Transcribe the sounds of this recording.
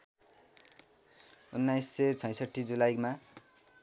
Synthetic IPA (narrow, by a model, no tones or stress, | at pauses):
unːajsːet͡sʰʌ̃j̃sʌʈʰːid͡zulajma